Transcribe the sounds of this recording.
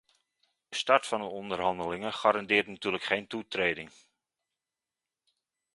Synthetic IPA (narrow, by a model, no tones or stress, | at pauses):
dəstɑɹtfɑndəɔndərɦɑndəlɪŋəχaːɾɑndɪːrtnatyːɹləkχejntutrejdɪŋ